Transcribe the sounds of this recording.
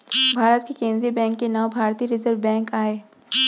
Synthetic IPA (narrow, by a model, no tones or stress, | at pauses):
bʱaːɾət̪kekẽːnd̪ɾiibɛ̃ːŋkːenaːwbʱaːɾt̪iɾɪzəɾʋbɛ̃ːŋkaːeː